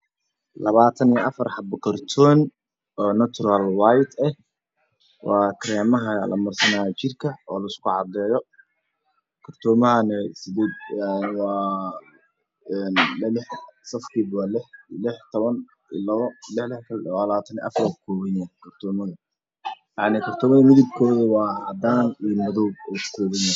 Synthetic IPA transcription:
lɐβaːt̪ʰɐnijʔɐfɐrħɑbɐkʰɐrt̪ʰɔn | ɔːnɐt̪ʊɾɐlwajt̪ʰɛh | wʔɑːkʰɾɛːmɐɦɐlɐ̰mɐrsɐnaːjt͡ʃɪrkʰɐɔːlɐɪskʰʊʕɑd̪ɛːjɔ | kʰɐrt̪ʰɔːmɐɦɐnɛsɪd̪ɛːd̪nwɑː | nlɪħsɐfkʰiːbwɑːlɪħlɪħt̪ʰɔβɐn | ḭlɐwɔlɪħlɪħkʰɐlwalaːt̪ʰɐnḭʔɐ̰frɔkʰɔːβɛnɛkʰɐrt̪ʰɔːmɐðɐ | jaʕnɪkʰɐrt̪ʰɔːmɐðɐmɪðɪb̚kʰɔːðɐwɑːʕd̪aːnijmɐðɔbukʰɔːβɛnɛ

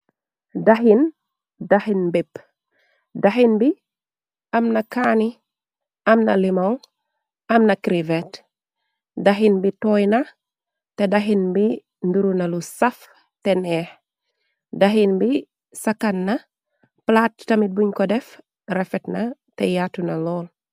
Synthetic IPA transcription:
daɦin | dahinbip | daɦinbi | ɐmnɐkaːni | ɐmnɐlimɔŋ | ɐmnɐkɾivet | daɦinbitɔjnɐ | tedaɦinbi | nduɾunɐlusɐf | tenɛːh | daɦinbi | sakanːɐ | platːɐmit̚buɲkɔdɛf | ɾɛfɛtnɐ | tejatunɐlɔːl

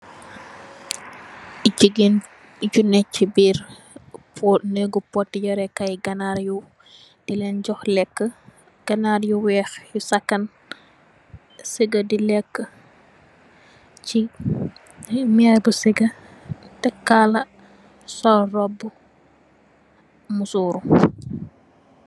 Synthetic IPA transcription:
ɟiɡin | ɟunɛcːibiːɾ | pʰɔnəɡupɔtːiɟɔɾɛkɐjɡɐnaɾju | d̥ilɛnɟɔxlɛkːə | ɡ̥ɐnaɾjuwɛːxjusɐkːɐn | siɡədilɛkːə | ci | mɛɾbusiɡə | tɛkːalɐ | sɔrɔbːu | musuːɾu

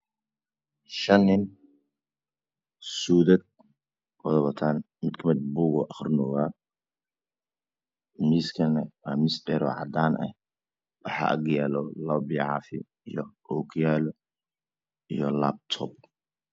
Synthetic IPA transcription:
ʃɐnːɪn | suːðɐd̪̚ | wɐðɐβɐt̪ʰaːn | mɪd̪kʰɐmɛd̪̚buːɣɔʔɐχrnɔːɣaː | miːskʰɐnɛwaːmisb̪ɛɾɔ̰ːʕɑ̰d̪aːnɐ̰ | wɑħɑ̰ʔɐ̰ɡjaːlɔlɐbɪʕɑ̰ːfɪ̰ | ijɔɔːkʰjaːlɔ | ijɔlab̚t̪ʰɔb̚

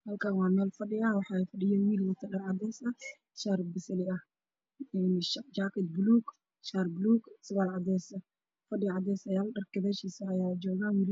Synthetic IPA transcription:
hɐlkanwɑːmɛːlfɐɖɪɐwɑħɑːɛfɐɖɪjɛːwilwʊt̪ʰɐɗɐɾʕɑd̪ɛːsɐ | ʃaɾbɪsɐlɪɐ | ɛnd͡ʒaːkɪd̪bluːɡ | ʃarbluːɡsɪβaːlʕɑd̪ɛːsɐ | fɐɖɪʕɑd̪ɛːsɐjaːlɐɗɐrkɐðɛʃisɐɐjaːd͡ʒɔːɣawilɪ

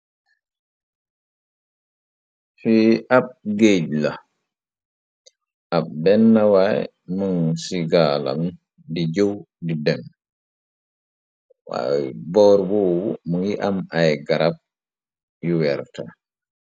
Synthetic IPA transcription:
fiʔab̚ɡeɟla | ʔab̚bɛnːawaj | muŋsiɡala̰m | did͡ʒow | didɛn | wa̰jbɔːɾbɔwumuŋjiʔamajɡaɾap̚ | juwɛɾta

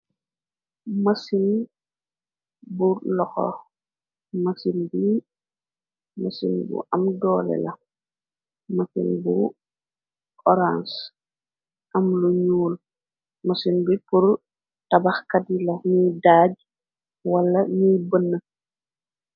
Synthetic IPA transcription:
mɐsin | bulɔxɔ̰ | mɐsinbi | mɐsḭnbṵʔɐmdɔːlɛ̰lɐ | mɐsḭnbu | ɔɾans | ʔɐmluɲuːl | mɐsinbipur | tɐbaxkadilɐnidaːɟ | wɐlːɐɲijbənːə

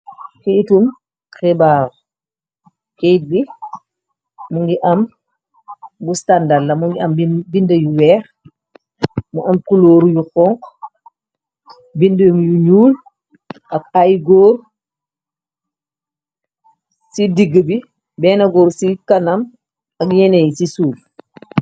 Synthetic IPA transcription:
kɛjtum | xɛbaːɾ | kɛjt̚bi | muŋɡiʔɐm | bustandalːɐmuŋɡiɐmbindəjuwɛːχ | muʔɐmkuloːɾujuxɔŋk | bindəmjuɲuːl | ʔɐk̚ajɡɔːr | sidiɡəbi | bɛːnɐɡɔːɾsikɐnɐm | ɐkɲɛnɛjisisuːl

